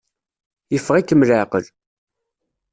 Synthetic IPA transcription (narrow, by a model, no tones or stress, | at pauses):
jəfːəʁikːəmləʕqəl